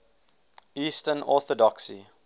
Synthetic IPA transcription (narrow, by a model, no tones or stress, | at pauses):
iːstənɔθədɔksḭ